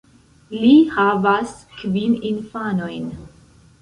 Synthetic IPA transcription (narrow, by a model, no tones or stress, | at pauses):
lihavaskvininfanojn